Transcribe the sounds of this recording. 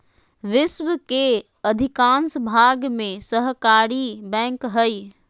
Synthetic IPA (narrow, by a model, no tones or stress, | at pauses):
ʋɪsʋəke | ɐd̪ʱɪkãːnsbʱaːɡmẽsəɦkaːɾibɛ̃ːŋkɦəi